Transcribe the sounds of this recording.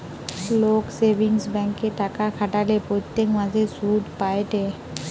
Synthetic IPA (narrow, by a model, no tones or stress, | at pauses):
loksebʱiŋsbɛŋkeʈakakʰaʈalepɾot̪ːekmad͡ʑʱesud̪ʱpajʈe